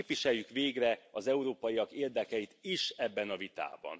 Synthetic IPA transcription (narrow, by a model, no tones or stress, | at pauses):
pʋiʃɛjjykʋeːɡrɛɒzɛuɾoːpɒjiɒkeːrd̪ɛkɛjit̪iʃɛbːɛnɒvit̪a̰ːbɒ̰n